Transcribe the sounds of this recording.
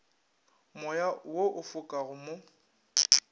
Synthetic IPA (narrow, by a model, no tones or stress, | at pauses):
mɔjawoʔʊfʊkʼaɣʊmo